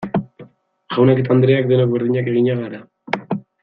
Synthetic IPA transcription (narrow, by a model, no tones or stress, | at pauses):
ʝawnaket̪̬and̪ɾe̞akd̪e̞nokbeɾðiɲake̞ɣiɲaɣaɾa